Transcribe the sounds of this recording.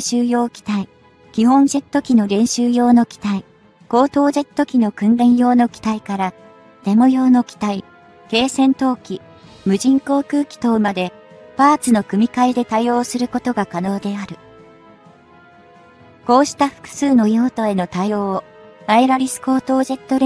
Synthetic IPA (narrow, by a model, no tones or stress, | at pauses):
ɕɨːjo̞ːkʲi̥t̪ai | kʲiɦõ̞nʑe̞t̪ːo̞kʲino̞ɾẽ̞ɰ̃ɕɨːjo̞ːno̞kʲi̥t̪ai | ko̞ːt̪o̞ːʑe̞t̪ːo̞kʲino̞kɯ̟̃nɾẽ̞ɰ̃jo̞ːno̞kʲi̥t̪aikaɾa | t̪e̞mo̞jo̞ːno̞kʲi̥t̪ai | ke̞ːsẽ̞nt̪o̞ːkʲi | mɯ̟ʑĩŋko̞ːkɯ̟ːkʲi̥t̪oːmad̪e̞ | paːt͡sɨno̞kɯ̟mʲikaid̪e̞t̪aijo̞ːsɨɾɯ̟ko̞t̪o̞ɡakano̞ːd̪e̞aɾɯ̟ | ko̞ːɕi̥t̪aɸɯ̟̥kɯ̥sɨːno̞joːt̪o̞e̞no̞t̪ajo̞̥ː | aeɾaɾʲisɨ̥ko̞ːt̪o̞ːʑe̞t̪ːo̞ɾ